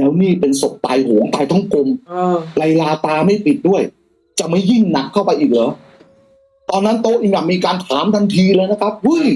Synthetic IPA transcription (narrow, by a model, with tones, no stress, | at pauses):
nɛː˦˥wniː˥˩pe˧nso˨˩p̚t̪a̰ː˧jɦoː˩˦ŋt̪aː˧jt̪ʰɔ˥˩ŋko˧mla˧jlaː˧t̪aː˧ma˥˩jpi˨˩t̪̚du˥˩əj | t͡ɕa˨˩ma˥˩jːi˥˩ŋna˦˥kʰːa˥˩wpa˧jʔiː˨˩k̚lɔː˨˦ | t̪ɔː˧nːa˦˥nt̪oː˦˥ʔi˧˩ŋjaː˨˩k̚miː˧kaː˧nt̪ʰaː˩˦mt̪ʰa˧ŋt̪ʰiː˧lɤː˧jna˦˥kʰa˦˥p̚hu˦˥˩j